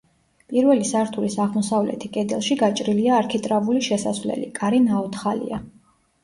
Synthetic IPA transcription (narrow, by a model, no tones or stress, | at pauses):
pʼiɾvɛlisaɾt̪ʰulisaʁmɔsavlɛ̰t̪ʰikʼɛd̪ɛlˠʃiɡat͡ʃʼɾiliaːɾkʰit̪ʼɾavuliʃɛsa̰svlɛ̰lḭkʼaɾinaɔt̪ʰχalḭa